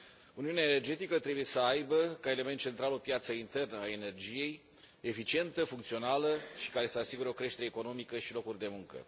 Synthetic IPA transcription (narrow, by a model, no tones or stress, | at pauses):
uniuneaene̞rd͡ʒe̞t̪ikət̪ɾe̞buje̞səajbəkae̞le̞me̞nt̪̚ːt͡ʃe̞nt̪ɾalopjat̪səint̪e̞rnəae̞ne̞rd͡ʒije̞j | efit͡ʃie̞nt̪əfuŋkt̪sio̞naləʃi̥kaɾe̞səasiɡuɾeokɾe̞ʃt̪eɾe̞ːko̞no̞mikəʃilo̞kurʲd̪e̞muŋkə̰